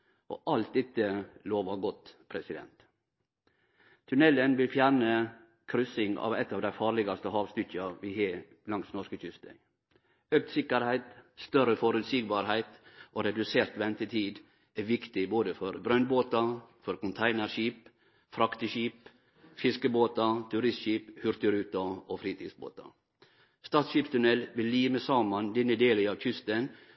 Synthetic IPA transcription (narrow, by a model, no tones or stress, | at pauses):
ʔo̰ːʔɑlt̪̚d̪ɛt̪ːəloːʋɑɡɔt̪pʰɾɛsɪd̪ɛ̰nt̪ | t̪ʰʉnɛlːənʋɪlfjæːɾɳə | kʰɾʏsɪŋɑ̰ːʋɛt̪ːɑːʋd̪æɪfɑːɾlɪɡɑst̪əhɑːʋst̪ʏçɑʋiːhe | lɑŋsnɔʂkəc͡çʏst̪ɛ̰ɪ | øk̚t̪sɪkəɾhæɪt̪st̪œɾəfɔɾʉt̪siːɡbɑɾhæɪt̪ʔoːɾɛd̪ʉseːɾt̪ʋɛnt̪ət̪ʰiːd̪ | æʋɪkt̪ɪboːd̪əfɔɾbɾœnboːt̪ɑfɔɾkʊnt̪ʰæɪnəɾʃiːp | fɾɑkt̪əʃiːp | fɪskəboːt̪ɑt̪ʰʉɾɪst̪ʃiːphʉɾt̪ʉɾʉːt̪ɑoːfɾiːt̪ʰḭːsbo̰ːt̪ɑ̰ | st̪ɑːt̪sʃiːpst̪ʰʉnɛlʋɪlːiːməsɑːmɑnd̪ɛnəd̪eːləɑːʋçʏst̪ən